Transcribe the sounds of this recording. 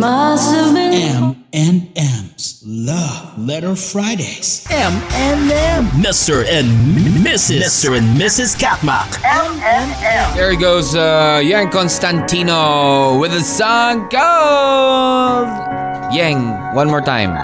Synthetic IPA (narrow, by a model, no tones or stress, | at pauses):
masɪɛ̃ɛ̃nɛ̃mz̥lʌlɛɾə˞fɹaɪɾeɪz̥ɛ̃mɛ̃nɛ̃mmɪstə˞ɨ̃nmɪsɨɪstə˞ɨ̃nmɪsɨz̥kʰæt̚mɑ̰kɛ̃mɛ̃nɛ̃mðəɹiɡoʊzʌjæ̃ŋkɑ̃nstæ̃ntʰĩnoʊwɪðɨsʌŋkʌ | v | jɛ̃ŋ | wʌ̃nmɔɹtʰãɪ̃m